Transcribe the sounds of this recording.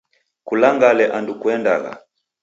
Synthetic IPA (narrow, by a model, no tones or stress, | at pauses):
kulaŋɡalɛʔandukuɛndaɣa̰